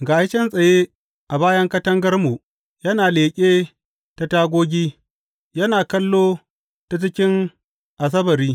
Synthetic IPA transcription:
ɡaː˨˦t͡ʃɛ˦nsʼɐ˨je˦ | ʔa˨baː˦jɐ˦ŋkɐ˦tɐ˦ŋɡɐ˦rmu˨ | jɐ˦naː˨leː˨kʲʼeː˦ | ta˨taː˦ɡʷoː˦ɡʲiː˦ | jɐ˦naː˨kɐ˦lːoː˦ | ta˨t͡ʃɪ˦kʲɪ˦ŋ | ʔa˨s̬ɐ˦bɐ˨ɾiː˦

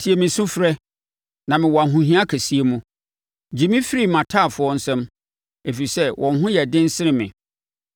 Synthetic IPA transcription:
tʰi˨e˨mɪ̃˨sʊ̃˦fɾɛ˦ | nã˨mɪ̃˨wɔ˨a˨ɦʊ̃˨ɦĩ˦a˦kʰæ˨si˦e˨mũ˦ | d͡ʑi˨mĩ˦fɪ˦ɾi˦mã˨tʰaː˦˨fʊ˨˦ɔ˦n̩˦sɛ̃˦m | e˨fi˨i˨sɛ˦wʔɔ̃˨n˦ɦʊ̃˦jɛ˨dɪ̃˦n̩˦sɪ˦ɾɪ̃˦mɪ̰̃˨

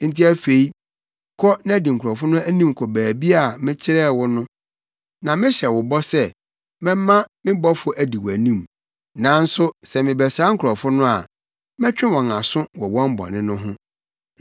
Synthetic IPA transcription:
n̩˦tʰi˦æ˦fe˨i˦ | kʰɔ˦nã˦˨di˨ŋ̩˨kʰʊ˨ɾɔ˨fʊ˦nʊ̃˦æ˦nĩ˦mkʰɔ˨bæː˨bi˦a˦˨mɪ̃˦t͡ɕʰɪ˦ɾɛː˦˨wʊ˦nʊ̃˦ | nã˨mɪ̃˦ɕɛ˨wʊ˨bɔ˦sɛ˦ | mɛ̃˦m˦mã˦mɪ̃˦bɔ˦fʊ˦ʔæ˨di˨wæ˨nĩ˦m | nã˨n̩˦sʊ˦sɛ˨mɪ̃˨bɛ˨sɾa˦ŋ̩˦kʰʊ˨ɾɔ˨fʊ˦nʊ̃˦a˨ | mɛ̃˦t͡ɕᶣɪ̃˦wɔ̃˨ŋa˨sʊ̃˦wɔ˨wɔ̃˦m˦bɔ̰˨nɪ̃˦nʊ̃˦ɦʊ̃˦

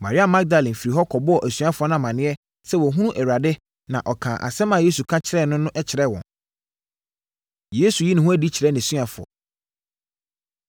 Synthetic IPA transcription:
ma̰˨ɾɪ˦a˨mã˦ɡ̚da˨lɛ̃˨m̩˨fi˨ɾi˨ɦɔ˦kʰɔ˨bʊ˦ɔ˨ʔæ˨sɥ̃a˦fʊ˨ɔ˦nã˨mã˨nɪ̃˦ɛ˦ | sɛ˦˨wɔ˨ɦũ˦ũ˦ʔɛ˨wa˨dɪ˦ | nã̰˨ʔɔ˨kʰã˨ʔa̰˨sɛ˦mã˨je˦su˨kʰã˦t͡ɕʰɪ˨ɾɛ˦˨nʊ̃˦nʊ̃˦ʔɛ˦t͡ɕʰɪ˨ɾɛ˦˨wɔ̰̃˨n | je˦su˨ji˦nʊ̃˦ɦʊ̃˦æ˦di˦t͡ɕʰɾɛ˦nɪ̃˨sɥa˨fʊ˨ɔ̰˨

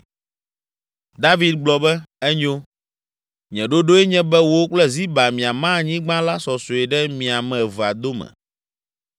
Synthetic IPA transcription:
d̪a˦vi˦d̪ɡ͡blɔ˨bɛ˦ɛ˦ɲo˦ | ɲɛ̃˨ɖo˦ɖo˦ɛ˦ɲɛ̃˦bɛ˦wo˦o˦k͡plɛ˦zi˦ba˨mĩ˨a˨mã˦˨ɲĩ˦ɡ͡bã˦la˦sɔ˨so˨ɛ˨ɖɛ˦mĩ˨a˨mɛ̃˨va˨d̪o˦mɛ̰̃˨

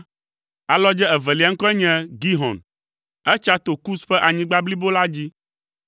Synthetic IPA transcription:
a˨lɔ˦d͡ʒɛ˦ɛ˨vɛ˨li˨a˦ŋ̩˦kɔ˦ɛ˦ɲɛ̃˦ɡi˦ɦɔ̰̃˨n | ɛ˦t͡ʃa˦t̪o˨ku˦sɸɛ˦ʔa˨ɲĩ˦ɡ͡ba˦bli˦bo˦la˦d͡ʑi˦

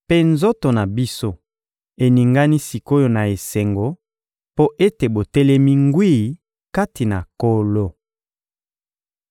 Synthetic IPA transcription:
pe˦nzo˦to˨na˨bi˦so˦ | e˨ni˨ŋɡa˦ni˦si˨ko˦jo˨na˨e˨se˨ŋɡo˦ | po˦ʔe˦te˨bo˨tɛ˦lɛ˦mi˦ŋɡwi˦˨ | ka˦ti˨na˨ko˦lo˦

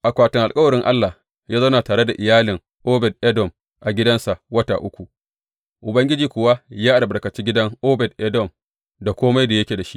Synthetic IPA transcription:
ʔa˨kʷaː˨tɪ˨ŋʔa˨lkʼɐ˦wɐ˨ɽɪ˦ŋʔa˦lːa˨ | jaː˦zɐ˦na˨taː˨ɽe˦da˨ʔɪ˨jaː˦lɪ˨ŋ | ʔoː˦bɛ˨dʔɛ˦dɔ˨m | ʔa˨ɡʲɪ˦dɐ˦nsa˨ʔwɐ˦ta̰ː˨ʔʊ˦kʷu˨ | ʔʊ˨bɐ˦ŋɡʲɪ˦d͡ʒiː˨kʷʊ˨wa˦jaː˦ʔa˨ɽbɐ˨rkɐ˨t͡ʃi˦ɡʲɪ˦dɐ˦ŋʔoː˦bɛ˨d̚ʔɛ˦dɔ˨m | da˨kʷoː˦ma˦jda˨jɐ˦kʲeː˨da˨ʃi˦ʔ

